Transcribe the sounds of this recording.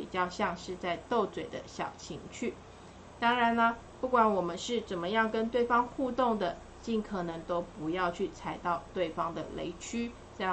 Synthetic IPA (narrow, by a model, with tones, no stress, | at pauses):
i˨˩t͡ɕjɑ˥˧ʊɕjɑ˥˧ŋʂɻ̩˥˧t͡sa˥˧ɪt̪o˥˩ʊt͡swe˨˩ɪd̪ə̰˦ɕjɑ̰˨˩ʊt͡ɕʰi˧˥ŋt͡ɕʰy˥˩ | t̪ɑ˥ŋɻa˧˦nə˧ | pu˥˩kwa˨˩˦nwɔ˨˩mə˦nʂɻ̩˥˩t͡sə˨˩nmə˦jɑ˥˩ŋkə˦nt̪we˥˩ɪfɑ˥ŋxu˥˧t̪o˥˩ŋd̪ə˩ | t͡ɕi˥˩nkʰɤ˨˩nɤ˧˦˥ŋt̪o˥ʊpu˧˥jɑ˥˧ʊt͡ɕʰy˥˩t͡sʰa˨˥˩ɪt̪ɑ˥˧ʊt̪we˥˩ɪfɑ˥ŋd̪ə̰˨lḛ˧˥ɪt͡ɕʰy˥ | t͡sa˥˧